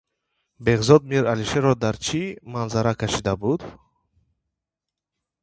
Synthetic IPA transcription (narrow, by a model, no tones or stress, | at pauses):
be̞ʁzɔd̪̚miɾaliʃeɾɔd̪aɾt͡ʃʰimanzaɾakʰaʃid̪abud̪